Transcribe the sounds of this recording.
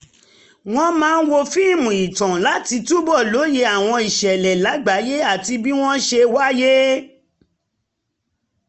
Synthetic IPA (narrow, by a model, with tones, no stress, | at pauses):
w̃ɔ̃˦mãː˦˧n̩˦wo˧fi˦˨mũ˨i˨tã˨la˨˦ti˧tu˦bɔ˦˨lo˨˦je˧a˨w̃ɔ̃˧i˨ʃɛ˨lɛ˨la˨˦ɡ͡ba˨˦je˦a˦˨ti˧bi˦w̃ɔ̃˦ʃe˧wa˦je˦